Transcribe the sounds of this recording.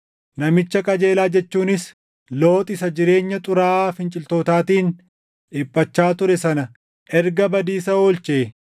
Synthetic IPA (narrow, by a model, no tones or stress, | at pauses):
nɐmɪt͡ʃːɐkʼɐd͡ʒe̞ːlaːd͡ʒɛt͡ʃːuːnɪs | lo̞ːt̪ʼɪsɐd͡ʒɪɾe̞ːɲːɐt̪ʼʊɾaːfɪnt͡ʃʼɪlt̪oːt̪aːt̪iːn | ɪpʼːɐt͡ʃːaːt̪ʊɾɛsɐnɐ | ʔɛɾɡɐbɐd̪iːsɐoːlt͡ʃʼeː